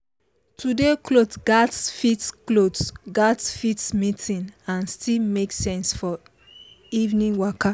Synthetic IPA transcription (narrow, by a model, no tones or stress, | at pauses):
tʰudeklotɡ̥atfitklotɡatfitmitĩnãnstilmeksɛ̃nsfɔ | ivnĩnwɔka